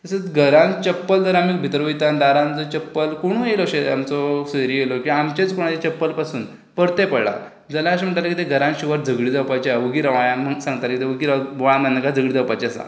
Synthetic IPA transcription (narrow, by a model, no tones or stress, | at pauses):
t̪əsət͡sɡʱəɾãnt͡ɕəpːəld̪əɾamik̚bʱit̪ɾʋujt̪and̪aɾãnt͡sɔt͡ɕəpːəlkoɽ̃ũjelɔɕea̰mt͡sɔseɾielɔkĩamt͡ɕet͡skuɽ̃at̪et͡ɕəpːəlpasuːn | pəɾt̪epəɽɭa̰ | d͡zalaəɕem̤əɳʈalakit̪eɡʱəɾãnɕiʋəɾd͡zʱəɡɭid̪awpat͡ɕiaʋuɡiɾaʋãjãməsãŋɡt̪alkit̪eʋəɡiɾaʋajãmənːəkad͡zʱəɡɭid͡z̪awpat͡ɕesã̰